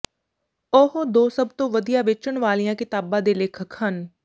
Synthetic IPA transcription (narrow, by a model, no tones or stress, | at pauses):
oɦod̪oːsəbt̪õːʋəd̪ijaːʋɪt͡ʃəɳʋaːlijãːkɪt̪aːbãːd̪eːleːkʰəkhən